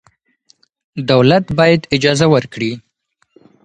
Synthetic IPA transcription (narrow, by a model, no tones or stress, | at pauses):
d̪awlat̪bɑjad̪ɪd͡ʒɑzawəɾkɽi